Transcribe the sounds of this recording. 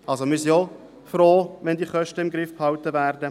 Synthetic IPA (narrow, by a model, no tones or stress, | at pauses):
ɑlsomɪsiɔ | fɾoːʋɛndiːχœʃtəɪmɡɾɪfphɑwtəvæːɾdə